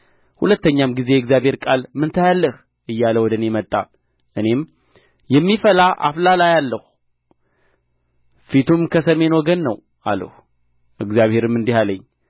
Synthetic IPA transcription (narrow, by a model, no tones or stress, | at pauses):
hulət̪ːəɲːamɡize̞jɨɡzjaβhe̞ɾkʼalmɨnt̪ʰajalːəh | ʔɨjːaləwɔd̪ənemət̪ʼːa̰ | ʔɨne̞m | jɛmːifəlaʔa̰flalajalːəhu | fit̪ʰumkʰəsəme̞nwɔɡənːəw | ʔa̰lːə̰h | ʔɨɡzjaβhe̞ɾɨmːɨnd̪ihaləɲː